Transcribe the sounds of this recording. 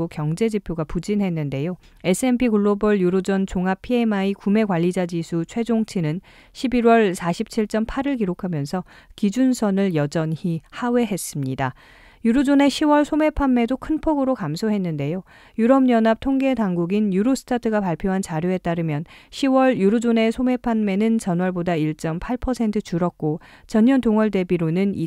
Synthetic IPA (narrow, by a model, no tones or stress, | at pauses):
okjʌŋd͡ʑe̞d͡ʑipʰjoɡapud͡ʑinɦe̞nːɯnde̞jo | e̞s͈ʰɯe̞npʰikuɭːobʌɭjuɾod͡ʑʌnt͡ɕoŋɦapʰie̞maikume̞kwaʎːid͡ʑad͡ʑisʰut͡ɕʰwe̞d͡ʑoŋt͡ɕʰinɯn | ɕʰibiɾwʌɭsʰaɕʰip̚t͡ɕʰiɭt͡ɕ͈ʌmpʰaɾɯɭk̬iɾokʰamjʌnsʰʌ | kid͡ʑunsʰʌnɯɭjʌd͡ʑʌnhihawe̞ɦe̞s͈ɯmɲida | juɾud͡ʑone̞ɕʰiwʌɭsʰome̞pʰanme̞dokʰɯnpʰoɡɯɾokamsʰoɦe̞nːɯnde̞jo | juɾʌmɲʌnɦap̚tʰoŋɡe̞taŋɡuɡinjuɾosʰɯ̥tʰatʰɯɡapaɭpʰjoɦant͡ɕaɾjoe̞t͈aɾɯmjʌnɕʰiwʌɭjuɾud͡ʑone̞sʰome̞pʰanme̞nɯnt͡ɕʌnwʌɭbodaiɭt͡ɕ͈ʌmpʰaɭpʰʌsʰe̞ntʰɯt͡ɕuɾʌk̚k͈ot͡ɕʌɲːʌntoŋʌɭde̞biɾonɯnḭ